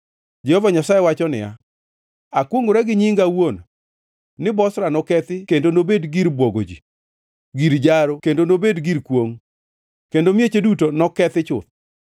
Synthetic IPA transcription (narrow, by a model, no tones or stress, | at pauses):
d͡ʒɛhɔvaɲasajewat͡ʃɔnɪ̰ja̰ | akwoŋɡoɾɛɡɪɲiŋɡawon | nɪbɔsɾanɔkɛt̪ɪkendonobedɡiɾbwoɡo̰d͡ʒi | ɡiɾd͡ʒaɾokendonobedɡiɾkwoŋ | kendomjet͡ʃedutonɔkɛt̪ɪt͡ʃʊ̰t̪̚